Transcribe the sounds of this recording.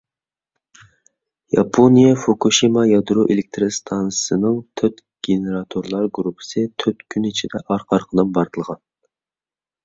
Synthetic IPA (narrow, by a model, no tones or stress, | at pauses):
jɑ̰pʰonijɛfokuʃimɑjɑd̪ɾuʔelɪk̚ʲt̪ʰɾɨst̪ʰɑnsɨ̥sɨnɨŋt̪ʰøt̪ | ɡ̥ʲeneɾɑt̪ʰoɾlˠɑɾɡɾupʰɨ̥sɨt̪ʰøt̪kʲʰynit͡ʃʰid̪ɛʔɑɾqʰɑɾqʰəd̪ɨnbɑɾd̪ʰɨlˠʁɑn